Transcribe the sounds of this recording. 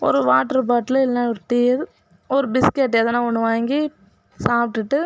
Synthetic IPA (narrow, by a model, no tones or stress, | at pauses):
ɔ̰ɾɯʋaːʈːɐɾp̬aːʈːlɐɪlnaːɔɾɯʈiːɾ | ɔɾɯbɪskeʈːɛðɐnãːɔɳːɯʋaːŋɡi | saːp̚ʈːɯʈːɯ